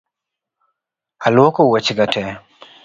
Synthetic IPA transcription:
alwɔkowɛt͡ʃɡatɛ

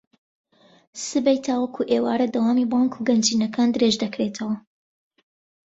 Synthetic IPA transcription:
sɨbɛjt̪ʰaːwɐkʰuːʔeːwaːɾɐd̪ɐwaːmiːbɑːŋkʰuɡɐnd͡ʒiːnɐkʰaːnd̪ɨɾeʒd̪ɐkɾet̪ʰɐwɐ

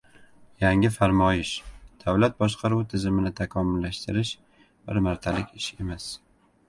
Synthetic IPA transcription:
jaŋɪfaɾmɒjɪʃd̪̥awlat̪̚bɒʃqʰɑɾuwt̪ʰɪzɪmɪnɪt̪ʰakʰɒmʊlːaʃt̪ɪɾɪʃ | bɪɾmaɾt̪ʰalɪkʲɪʃe̞mas

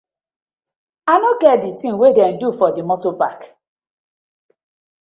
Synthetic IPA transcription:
anɔɡɛtditĩŋwedɛn̩dufɔdimɔtopak

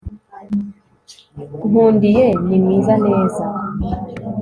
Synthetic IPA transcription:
uβuːndijenimŋiːzane̞ːza

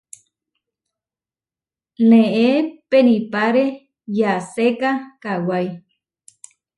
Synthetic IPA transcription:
nẽʔepenĩpaɾe | jasekakawaj

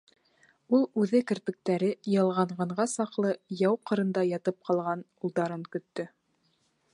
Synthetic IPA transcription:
ulˠʉðɘkɘ̆ɾpɘ̆k̚t̪æɾɘjɤ̆lˠʁɑɴɢɑɴɢɑsɑqlˠɤjɑwqɤ̆ɾɤ̆nd̪ɑjɑt̪ɤp̚qɑlˠʁɑnulˠd̪ɑɾɤŋkɵ̆t̪ːɵ

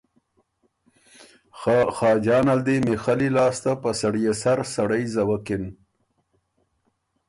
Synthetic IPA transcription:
xɑːd͡ʒɑːnald̪imexalilɑːst̪apəsaɽijesaɾsaɽəjzawakɪn

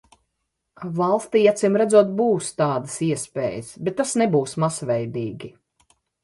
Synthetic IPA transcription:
valˠst̪iːat̪simɾæd̪zuɔt̪̚buːst̪ɑːd̪ɐsiɛspḛːjəsbɛt̪ːasnɛbuːsmasvɛjd̪iːɡʲi

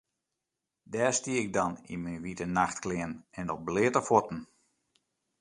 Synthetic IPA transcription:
dɛːstiəɪɡ̚dɔnḭminʋitənaxtklɪənɛndɔblɪətəfɔtn̩

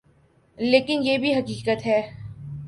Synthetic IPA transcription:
leːkɪnjeːbʱiɦɐkiːkət̪ɦɛː

